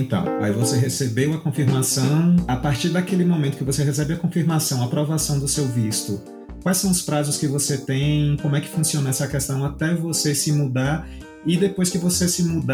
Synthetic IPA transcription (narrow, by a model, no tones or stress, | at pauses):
nt̪ɐ̰̃w̃a̰ivoseɦesebewɐkõfiɾmasɐ̃w̃apaɾt͡ʃiɾd̪akelɪmõmẽt̪ʊkɪvoseɦes̬ɛbɪɐkõfiɾmasɐ̃w̃ɐpɾovasɐ̃w̃d̪ʊsewvist̪ʊ | kwajsɐ̃w̃ʊspɾazʊskɪvoset̪ẽj̃kõmʊɛkɪ̥fũsiõnɐɛsɐkɛst̪ɐ̃w̃at̪ɛvosesɪmud̪aɾ | ɪd̪epojskɪvosesɪmud̪